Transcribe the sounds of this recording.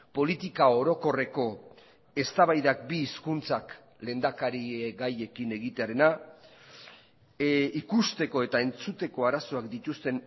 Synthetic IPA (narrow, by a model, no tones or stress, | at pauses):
po̞lit̪ikao̞ɾo̞ko̞re̞ko̞ | e̞st̪aβajðak̚biːskunt͡sak | le̞ːnd̪akaɾieɡaje̞kine̞ɣit̪eaɾe̞na | ikust̪e̞ko̞e̞t̪ae̞nt͡sut̪e̞ko̞aɾaso̞akd̪it̪ust̪e̞n